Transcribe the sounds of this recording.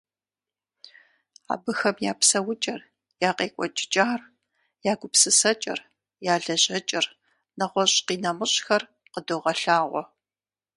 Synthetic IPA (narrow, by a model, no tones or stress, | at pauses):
a̰ːbɨxɐmjaːpsɐwʊt͡ʃʼɐr | jaːqeːkʷʼɔt͡ʃʼt͡ʃʼaːr | jaːɡʷʊpsɨsɐt͡ʃʼɐ̰r | jaːɮɐʑʼɐt͡ʃʼɐr | nɐʁʷɔɕʼqiːnɐmɨɕʼxɐr | qədoːʁɐɬaːʁʷɔ̰